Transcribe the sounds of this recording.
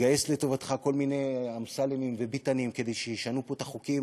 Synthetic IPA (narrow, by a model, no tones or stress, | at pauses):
ɡajesleto̞vat̪χako̞lminejamsalemimvebitanimke̞dejʃejiʃanupo̞t̪aχukim